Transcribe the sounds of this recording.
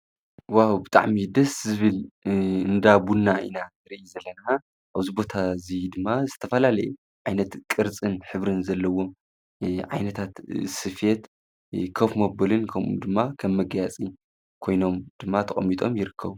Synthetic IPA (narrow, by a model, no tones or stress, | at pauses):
wawbɨt̪ʼa̰ʕmid̪ɐszɨβɨlɨnd̪abunːaʔḭnaɨɾiʔizɐlːɐna | ʔaβzibo̞t̪ʰazijd̪ɨmːazɨt̪ʰɐfɐlalɐju | ʕajnɐt̪kʼɨɾt͡sʼɨnħɨβɾɨnzɐlːɐwo̞m | ʕa̰jnɐt̪ʰat̪sɨfet̪ | kʰɐfmɐbɐlɨnkʰɐmṵd̪ɨmːakʰɐmːɐɡjat͡sʼi | kʰo̞jno̞md̪̥ɨmːat̪ʰɐχʼɐ̰mːit̪ʼo̞̰mjɪɾɨkʰːɐβu